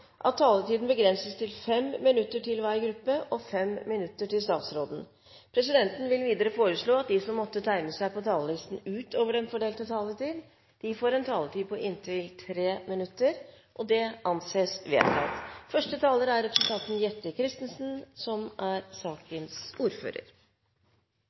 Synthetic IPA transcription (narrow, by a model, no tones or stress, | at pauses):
ʔɑt̪ʰːɑːlət̪iːd̪n̩bəɡɾɛnsəst̪ʰɪlfɛmmɪnʉt̪ːəʈɪlʋæɾɡɾʉpːəʔɔfɛmmɪnʉt̪ːəʈɪlst̪ɑːt̪sɾoːd̪n̩ | pʰɾɛs̬ɪd̪ɛnt̪n̩ʋɪlʋiːd̪əɾəfoːɾəʂɭoːɑt̪̚d̪ɪsɔmːɔt̪ːət̪ʰæɪnəsæɪpɔt̪ʰɑːləlɪst̪n̩ʉːt̪ʰoːʋəɖɛnfɔɖeːlt̪ət̪ʰɑːlət̪iːd̪ | d̪̥ɪfoːɾɛnt̪ʰɑːləʈiːpʰɔʔɪnt̪ʰɪlt̪ʰɾeːmɪnʉt̪ːəɾ | ʔɔd̪ɛɑnseːsʋḛːt̪ɑ̰ɪt̪fœʂʈət̪ʰɑːləɾæɾːɛpɾəsʉənt̪ʰɑt̪n̩jɛt̪ːəkʰɾɪst̪ən̩sn̩sɔmʔæɾsɑːkənsuːɾfø̰ːɾə̰ɾ